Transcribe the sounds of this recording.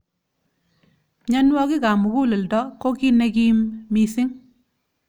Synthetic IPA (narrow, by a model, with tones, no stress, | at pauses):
ɲa˦nwɔ˦kɪ˦ka˨mu˨ku˦le˨ldɔ˦ko˦ki˦ne˦ki˦mmi˦sɪ˦ŋ